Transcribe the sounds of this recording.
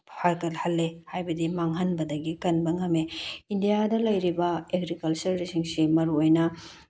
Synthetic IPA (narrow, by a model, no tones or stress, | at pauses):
pʰaɾkɐlhɐlːehajbɐdimaŋɦɐnbɐdɐɡikɐnbɐŋɐmeindijadɐlɐjɾibɐeɡɾikɐlt͡ʃɐɾːisiŋsimɐɾuojnɐ